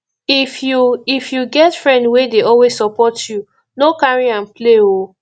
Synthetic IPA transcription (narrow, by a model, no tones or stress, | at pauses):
ifjuifjuɡɛtfɹɛ̃ndwedeɔlwezsɔpɔtʰju | nokaɹiãnpleo